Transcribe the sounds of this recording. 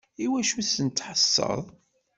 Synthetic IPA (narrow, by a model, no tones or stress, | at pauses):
iwæʃusənt̪ːħəsːə̰ðˤ